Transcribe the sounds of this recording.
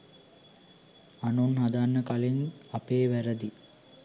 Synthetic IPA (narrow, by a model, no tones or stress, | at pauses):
anunɦad̪anːəkalenapeːʋæɾəd̪i